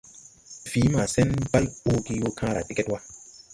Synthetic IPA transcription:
fiː˨˦ma˨sɛ˦nba˦loː˦ɡi˦wo˦kʰãː˦ɾa˨te˦ke˦twa˦

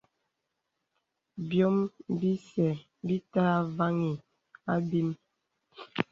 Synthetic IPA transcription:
bjɔ˦mbi˦sɛ˨ | bi˦taː˦va˦ŋi˨ | a˦bi˦m

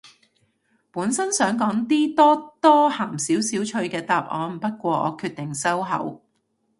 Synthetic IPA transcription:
puː˨˥nsɐ˥nsœː˨˥ŋkɔː˨˥ŋt̪iː˥t̪ɔː˥t̪ɔː˥haː˨˩msiː˨˥wsiː˨˥wt͡ʃʰɵ˧ɥkɛː˧t̪aː˨p̚ʔɔ̰ː˨˧m̩˨˩pɐ˥t̚kʷɔː˧ʔɔ̰ː˨˧kʰyː˧t̚t̪ɪ˨˩ŋsɐ˥wɦɐ̰˨˥w

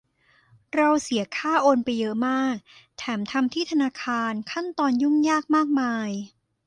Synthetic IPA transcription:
ɾa˧wsi˩˦ɐkʰaː˥˩ʔoː˧npa˧jːɤ˦˥ʔmaː˥˩k̚t̪ʰɛː˩˦mt̪ʰa˧mt̪ʰiː˥˩t̪ʰa˧naː˧kʰaː˧nkʰa˥˩nt̪ɔː˧nju˥˩ŋjaː˥˩k̚maː˥˩k̚maː˧j

